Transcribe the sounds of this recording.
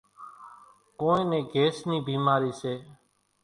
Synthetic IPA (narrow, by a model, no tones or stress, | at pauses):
koːẽːnẽːɡeːsniːbʱiːmaːɾiːseː